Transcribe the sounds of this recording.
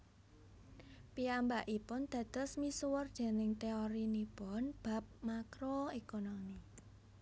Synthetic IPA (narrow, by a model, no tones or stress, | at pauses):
piambaʔipʊnd̪̥ä̤d̪̥ɔ̤smisuwərd̥d̥e̤nɪŋt̪eoɾinipɔnb̥ä̤p̚makɾoekonomi